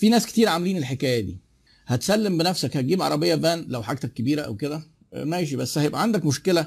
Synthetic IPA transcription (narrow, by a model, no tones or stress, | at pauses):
fiːnæːske̥t̪iːɾʕameliːnelħekæːjæd̪ḭː | hæt̪sælːembenæfsækhæt̪̚ɡiːbʕɑ̰ɾˤɑbejːæbæːnlæwħaɡ̚t̪ækːebiːɾæʔæ̰wked̪æ | mæeʃ̬ibæsːhæjebʔæʕand̪ækmoʃkelæ